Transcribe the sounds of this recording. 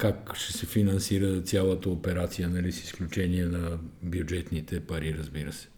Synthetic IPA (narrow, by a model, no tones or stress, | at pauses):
kakʃɛsɛfinɐnsiɾət̪sʲjalˠət̪əopɛɾat̪sijənɐlisi̥sklʲut͡ʃɛniɛnɐbjud͡ʒɛt̪nit̪ɛpɐɾiɾəzbiɾəsɛ̥